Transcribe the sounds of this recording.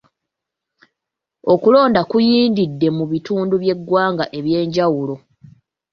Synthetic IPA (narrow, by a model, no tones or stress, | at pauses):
o̞kulo̞ːndakujiːndidːe̞muβituːnduβje̞ɡwaːŋɡaʔe̞βje̞ːɲɟawulo̞